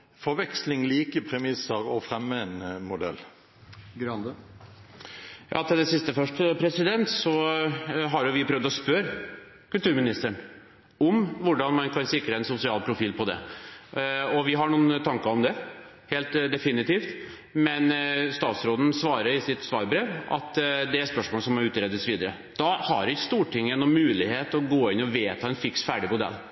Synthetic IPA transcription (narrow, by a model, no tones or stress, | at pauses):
fɔʋɛkslɪŋliːkəpʰɾɛmɪsəɾɔfɾɛmːəɛnmʊd̪ɛ̰lː | ɡɾ | jʔɑ̰ːt̪ʰɪld̪ɛsɪst̪əfœʂʈpʰɾɛsɪd̪ɛnt̪sɔ | ɦɑɾjʊʋɪpʰɾœʋd̪ɔspœɾ | kʉlt̪ʉːɾmɪnɪst̪əɳ | ɔmʋʊɖɑnmɑnkʰɑnsɪkɾəɛnsʊsɪɑːlpʰɾʊfiːlpʰɔd̪ɛ̰ | ɔʋɪɦɑɳuːn̩t̪ʰɑŋkɑɔmd̪ɛ | heːlt̪d̪ɛfɪnɪt̪iːft̪ | mɛnst̪ɑːt̪sɾoːd̪n̩sʋɑːɾəɾɪsɪt̪sʋɑ̰ːɾbɾeːʋʔɑ̰t̪d̪ɛæɾspœʂmoːləsɔmːɔɾʉːt̪ɾɛd̪əsʋiːd̪əɾə | d̪̥ɑhɑɾɪst̪uːʈɪŋːɛnɔmmʉːlɪheːt̪ɔɡoːɪnːɔʋeːt̪ʰɑːɛnfɪksfæːɖɪmʊd̪ɛ̰lː